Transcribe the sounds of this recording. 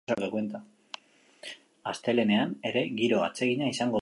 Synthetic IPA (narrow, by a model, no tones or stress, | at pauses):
oɾt̪ekwe̞nt̪a | ast̪e̞le̞ne̞ane̞ɾe̞ɣiɾo̞a̰t͡se̞ɣiɲaisaŋɡo̞